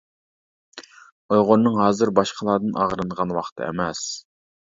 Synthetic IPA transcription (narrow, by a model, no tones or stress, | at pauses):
ojʁonnːɨŋɦɑːzɨɾbɑʃqʰəlˠɑːd̪ɨnʔɑ̰ʁɾɨnəʁɑnwɑχt̪ʰɨ̰ḛmɛs